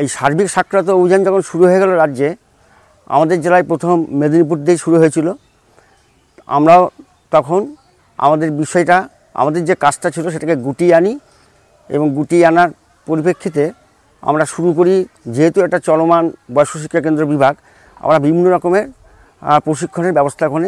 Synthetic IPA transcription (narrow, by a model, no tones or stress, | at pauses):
ejʃaɾbʱikʃakʰːɾat̪̬oobʱid͡ʑand͡ʑɔkʰonʃuɾuɦoeɡɛloɾadːd͡ʑe | a̰mad̪eɾd͡ʑelajpɾot̪ʰomːed̪onip̬uʈ̚d̪ejʃuɾuɦojet͡ɕʰilo | a̰mɾao | t̪ɔkʰon | a̰mad̪eɾbiʃɔeʈa | a̰mad̪eɾd͡ʑekad͡ʑʈat͡ɕʰiloʃ̬eʈakeɡuʈiani | ḛboŋɡuʈianaɾ | poɾipekʰːit̪e | a̰mɾaʃuɾuk̬oɾid͡ʑeɦet̪uɛk̚ʈat͡ɕɔlomanbɔjʃoʃ̬ikʰːakend̪ɾoɾbibʱaɡ | a̰mɾabibʱinːoɾɔkomeɾ | pɾoʃikʰːoneɾbɛbost̪ʰakone